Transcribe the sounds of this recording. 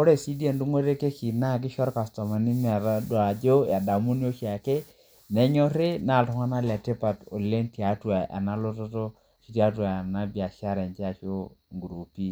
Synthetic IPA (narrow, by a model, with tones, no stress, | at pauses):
ko˦ɾe˨si˦di˦e˨ndu˦ŋwe˦ɾe˦ke˦ki˨na˦˨k̬ɪ˦ʃɔ˦ɾka˨stɔ˨ma˨ni˦n˦a˨ɾa˦dwa˨d͡ʒo˦ja˨da˨mu˦njo˦ʃa˨ke˦ | nɛ˦ɲɔ˦ɾe˦na˨ltɔ˨ŋa˦na˦la˨te˦pa˨to˨le˦ntja˨˦twa˨ʔa̰˨na˦lo˦to˦to˦ | ʃi˦ta˦twa˨a˨na˦bja˨ʃa˦ɾɛ˨nt͡ʃa˨ʃo˦ŋɡu˨ɾu˨pi˦